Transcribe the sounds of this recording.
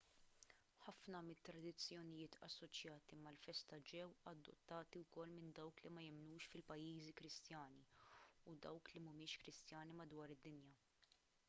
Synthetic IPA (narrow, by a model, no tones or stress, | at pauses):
ħɐfnɐmɪt̪ːɾɐd̪ɪt͡sːjɔnɪjɪːt̪ʰɐ̰sːɔt͡ʃjɐːt̪imɐlfɛst̪ɐd͡ʒɛwɐd̪ːɔ̰t̪ːɐːt̪iwkɔlːmɪnd̪ɐwklimɐjɪmnuːʃfɪlpɐjːiːzikɾɪst̪jɐːniʊd̪ɐwklimʊmɪːʃkɾɪst̪jɐːnimɐd̪wɐːɾɪd̪ːɪnjɐ